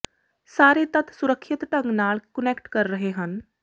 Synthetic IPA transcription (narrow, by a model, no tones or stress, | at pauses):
saːɾet̪ət̪ʰsʊɾəkʰʃɪt̪ʈə̃ŋɡnaːlkənekʈkəɾːəɦeɦən